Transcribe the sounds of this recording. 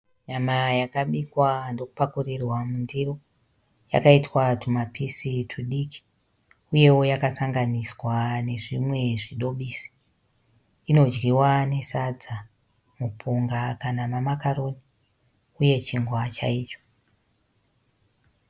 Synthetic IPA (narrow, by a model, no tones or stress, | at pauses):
ɲamajakaɓikwandokupakurirwamundiro̞ | ja̰kaitwatumapisitʰuɗiki̥ | uje̞wo̞jakasaŋɡaniswane̞ʐimwe̞ʐiɗo̞ɓiːsi̥ | ino̞d͡ʒɡiwane̞sad͡za | mupʰuŋɡakanamamakaro̞ni | uje̞t͡ʃiŋɡwat͡ʃa̰iːt͡ʃo̥